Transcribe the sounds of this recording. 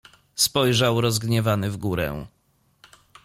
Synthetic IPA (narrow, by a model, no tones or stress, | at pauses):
spɔjʐawɾɔzɡɲɛvanɘvɡuɾɛ̰̃